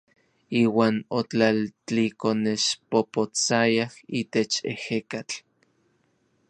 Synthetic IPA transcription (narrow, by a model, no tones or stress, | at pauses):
iːwaːnot͡ɬalt͡ɬikoneʃpopot͡sajahit̪et͡ʃḛhekat͡ɬ